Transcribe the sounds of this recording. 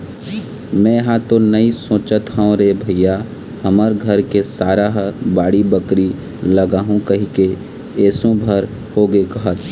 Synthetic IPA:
mɛ̃ːjɐɦãt̪onɐisõːt͡ʃət̪ɦɛ̃õɾebʱɐija | hɐməɾɡʱɐɾkesaːɾaɦbaːɽibəkɾi | lɐɡaːɦũkɐɦike | ɛːsõbʱɐɾ | hoɡekɐɦət̪

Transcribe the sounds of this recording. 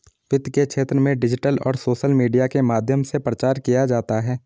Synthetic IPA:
ʋɪt̪kekʃʰeːt̪ɾəmẽɖɪd͡ʒɪʈəlɔ̰ːɾsoːʃəlmiːɖijakemaːd̪ʱjəmsepɾət͡ʃaːɾkijad͡ʒaːt̪aɦɛː

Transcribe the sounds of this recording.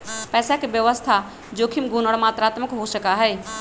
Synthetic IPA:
pɛːsakebjəʋəst̪ʰa | d͡ʒoːkʰimɡunəɽmaːt̪ɾaːt̪məkɦosəkaɦɛː

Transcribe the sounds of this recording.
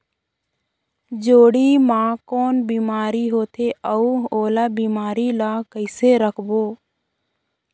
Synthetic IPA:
d͡ʒoːɽimãːkoːnbiːmaːɾiɦoːt̪ʰeəuoːlaːbiːmaːɾilakəɪseɾəkʰboː

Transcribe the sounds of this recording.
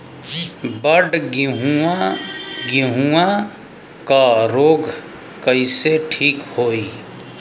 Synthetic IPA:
bəɖɡɪɦuaɡɪɦuã | kaɾoːɡʱ | kəiseʈʰiːkhoːi

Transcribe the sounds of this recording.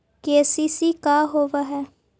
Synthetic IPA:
keːsiːsiːkaːɦoːʋaɦɛː

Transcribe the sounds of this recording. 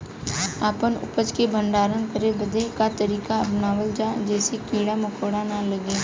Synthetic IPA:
aːpənʊ̰pət͡ʃkebʱə̃ɳɖaːɾənkəɾebɐd̪ʱekat̪ɐɾiːkaɐpnaːwəld͡ʒaːd͡ʒɛːsekiːɽamʊkʰoːɽanalɐɡeː

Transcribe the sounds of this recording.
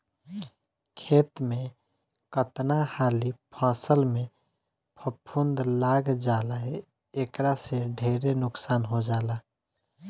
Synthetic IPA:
kʰet̪me | kət̪nahaːlipʰãːsəlme | pʰəpʰːund̪laɡd͡ʒaːlae | ekɾaseɖʱeɾenʊksaːnɦod͡ʒaːla

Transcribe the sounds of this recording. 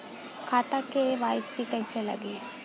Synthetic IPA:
kʰaːt̪akeʋaːjst̪iʈɐsela̰ːɡe

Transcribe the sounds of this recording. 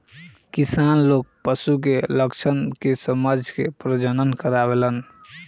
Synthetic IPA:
kisanlok̚pəsuk̬eləkt͡ʃʰənkesəməd͡ʒʱkepɾəd͡ʒənənkəɾabelən

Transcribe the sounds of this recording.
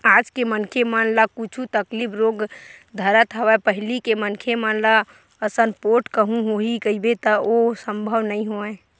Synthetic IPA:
aːd͡ʒkemənkʰemənlakut͡ʃʰut̪əklipʰɾoɡd̪ʱəɾət̪ɦəwɛpəɦlikemənkʰemənla | əsənpoɾʈkəɦũɦoɦikəibet̪əosə̃mbʱəʋnəĩɦoɛ̃

